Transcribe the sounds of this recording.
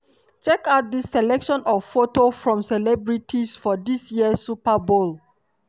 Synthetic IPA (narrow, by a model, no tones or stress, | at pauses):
t͡ʃɛkaʊt̚disːɛlɛkʃɔ̃nɔvfotofɹɔ̃msɛlɛbɹitʰisfɔdisjiəsupabol